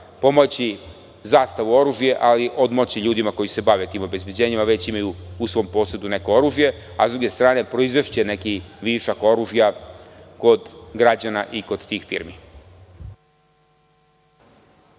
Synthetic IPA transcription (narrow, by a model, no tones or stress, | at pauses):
po̞mot͡ɕi | zaːst̪aʋuo̞ɾuːʒje̞ʔaliʔo̞d̪mot͡ɕiʎuːd̪imako̞jise̞baʋet̪iːmo̞be̞zbje̞d͡ʑe̞ːɲimaʋe̞t͡ɕimajuusʋo̞ːmpo̞ːsed̪une̞ko̞o̞ɾuːʒje̞ | a̰zd̪ɾuɡe̞st̪ɾaːne̞pɾo̞izʋe̞ʃt͡ɕene̞kiʋiʃako̞ɾuːʒjako̞d̪ɡɾad͡ʑanaʔiko̞d̪t̪iːxfḭɾmi